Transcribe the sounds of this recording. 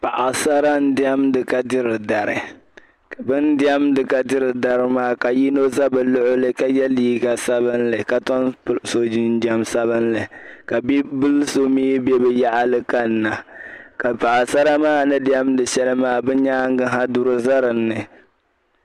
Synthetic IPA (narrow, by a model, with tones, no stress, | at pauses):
pa˨ʔa˨sa˦ɾa˦n̩˦dɪ˦ɛ˦mdɨ˨ka˦dɪ˦ɾɨ˨da˨ɾɨ̰˨ | ka˨bɨ˦ndɪ˦ɛ˦mdɨ˨ka˦dɪ˦ɾɨ˨da˨ɾɨ˨maː˦˨ka˨ji˦no˦za˦bɨ˨lʊ˦ʔʊ˦lɨ˦ka˦jɛ˦liː˦ɡa˨sa˦βɨ˦nlɨ˨ka˦tɔ˦n˦so˨d͡ʒi˦n˦d͡ʒɛ˦msa˦βɨ˦nlɨ˨ka˨bi˦bɨ˦lso˦miː˦bɛ˦bɨ˨ja˦ʔa˦lɨ˦ka˦nː˦a˨ka˨pa˨ʔa˨sa˦ɾa˦maː˦nɨ˦dɪ˦ɛ˦mdɨ˨ʃɛ˦lɨ˦maː˦˨bɛ˦ɲaː˦ŋ˦ɡɨ˦ɦa˦du˦ɾɨ˦za˦ɾɨ˨nːɨ˨